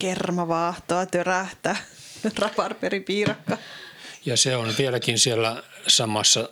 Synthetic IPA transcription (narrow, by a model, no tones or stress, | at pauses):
kermɑʋɑːht̪oɑt̪øræht̪æː | rɑpɑrperipiːrɑkːɑjɑseonʋielækinsielːæsɑmɑsːɑ